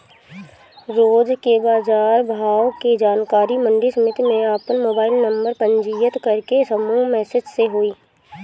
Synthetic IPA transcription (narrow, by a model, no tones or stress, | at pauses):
ɾoːd͡ʒkebaːd͡ʒaːɾbʱaːʋked͡ʒaːnkaːɾimɐ̃ɳɖisəmɪt̪ʰmẽaːpənmoːbaːɪlnɐ̃mbəɾpɐ̃ɲd͡ʒijət̪kɐɾkesɐmuːɦmɛːsɪd͡ʒseɦoːiː